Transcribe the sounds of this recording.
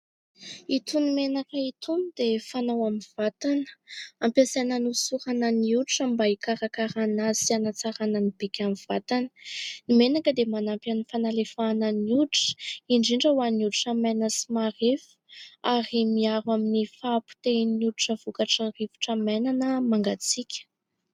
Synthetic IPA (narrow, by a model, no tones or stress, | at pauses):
it̪unimenakəit̪ʰunid̪efanawaminv̥at̪anə̥ampazananusuɾanəniuuʈ͡ʂəmbaikaɾakaɾanaz̥ianat͡saɾanənib̥ikʲamiv̥at̪anənimenakəd̪emanampanifanalefanəniuʈ͡ʂə̥iɳɖ͡ʐiɳɖ͡ʐəwaniuduʈ͡ʂamanəsimaɾefu̥aɾimiaɾwaminifaːpu̥t̪enuduʈ͡ʂəv̥ukaʈ͡ʂərivu̥ʈ͡ʂamajnanəmaŋɡat͡sikʲə̥